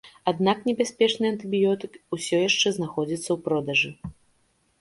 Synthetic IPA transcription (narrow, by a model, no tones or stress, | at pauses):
ad̪naknʲɛbʲasʲpʲɛt͡ʂnɨjɐnt̪ɨbʲijɔt̪ɨkusʲɔjaʂt͡ʂɛznaxɔd͡zʲit̪sːɐwpɾɔd̪ɐʐɨ